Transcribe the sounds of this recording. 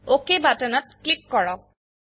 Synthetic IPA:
okebatanat̚klikːɔɹɔk̚

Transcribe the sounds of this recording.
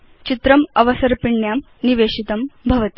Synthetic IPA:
t͡ɕit̪ɾɐmɐʋɐsɐɾpiɳːjaːm | niʋeːʂit̪ɐmbʱɐʋɐt̪i̥

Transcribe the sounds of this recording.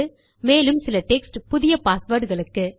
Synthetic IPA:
ɯ | meːlɯmsɪlɐʈɛksʈpʊðɪjɐpaːsʋɐɾɽɣɐɭɯkːɯ

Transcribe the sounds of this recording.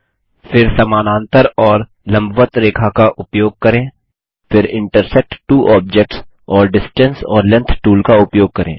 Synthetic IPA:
fɪɾsɐmaːnãːnt̪əɾɔːɾ | lɐ̃mbʱʋət̪ɾeːkʰakaʔʊpjoːɡ̚kɐɾẽː | fɪɾɪ̃ɳʈəɾsɛk̚ʈʈuːʔɔːb̚d͡ʒɛk̚ʈs | ɔːɾɖɪsʈə̃nsɔːɾlɛ̃nt̪ʰʈuːlkaʊpjoːɡ̚kɐɾḛ̃ː

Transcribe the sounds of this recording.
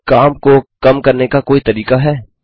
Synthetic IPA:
kaːmkokɐmkɐɾnekakoːit̪ɐɾiːqaɦɛː

